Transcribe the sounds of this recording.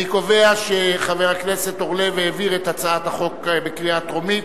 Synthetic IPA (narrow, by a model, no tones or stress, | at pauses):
ikove̞aʃeχaveʁaknese̞t̪oʁleveeviʁet̪at͡saat̪haχo̞kbekʁiat̪ʁomi